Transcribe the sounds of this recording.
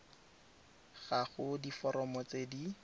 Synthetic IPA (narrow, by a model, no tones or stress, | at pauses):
ɣ̥aχʊdifɔɾʔɔmɔt͡sedi